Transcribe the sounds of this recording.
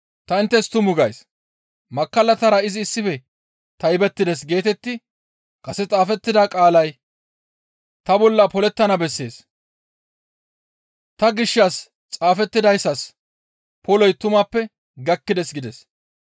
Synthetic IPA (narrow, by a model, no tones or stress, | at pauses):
t̪ɐɪnt̪ːɛst̪ʊmʊɡɐjs | mɐkːɐlɐt̪ɐɾɐɪzɪːsːɪfɛ | t̪ɐjbɛt̪ːɪd̪ɛs̬ɡe̞ːt̪ɛt̪ːɪ | kɐsɛt͡sʼaːfɛt̪ːɪd̪aːkʼaːlɐj | t̪ɐbɔlːɐpɔlɛt̪ːɐnɐbɛsːe̞̰ːs | t̪ɐɡɪʃːɐs | t͡sʼaːfɛt̪ːɪd̪ɐjsːɐs | pɔlɔjt̪ʊmɐpːɛ | ɡɐkːɪd̪ɛsɡɪd̪ɛs